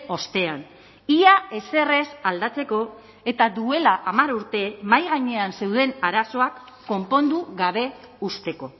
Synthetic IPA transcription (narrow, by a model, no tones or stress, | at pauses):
o̞st̪e̞an | iae̞se̞re̞sald̪at͡se̞ko̞ | e̞t̪aðue̞laʔamaɾuɾt̪e̞majɣaɲe̞anse̞wð̞e̞naɾaso̞akː | o̞mpo̞nd̪uɣaβ̞e̞ | ust̪e̞ko̞